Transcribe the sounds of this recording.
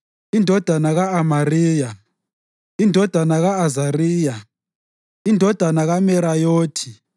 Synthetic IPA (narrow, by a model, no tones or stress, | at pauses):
indʱɔd̥ʱanaɣaamariːja | indʱɔd̥ʱanaɣaːzariːja | indʱɔd̥ʱanaɣamɛɾajoːtʰi